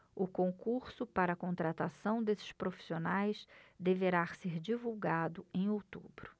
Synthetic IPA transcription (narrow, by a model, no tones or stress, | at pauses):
ʊkõŋkuɾsʊpaɾɐkõnt̪ɾat̪asɐ̃w̃d̪esɪ̥ʃpɾofi̥sionajsd̪eveɾaseɾd͡ʒivuwɡad̪ʊẽj̃owt̪ubɾʊ